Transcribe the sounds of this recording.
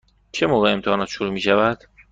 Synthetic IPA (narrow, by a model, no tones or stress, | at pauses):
t͡ʃʰemoːɣeːmt̪ʰehɒːnɒːt̪ʃoɾuːmiːʃævæd̪̥